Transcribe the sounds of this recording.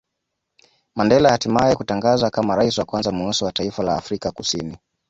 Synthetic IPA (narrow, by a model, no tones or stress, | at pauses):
mandɛlahatimajɛkutaŋɡazakamaɾaisiwakwanzamuɔsɔwataifala̰ːfɾikakusini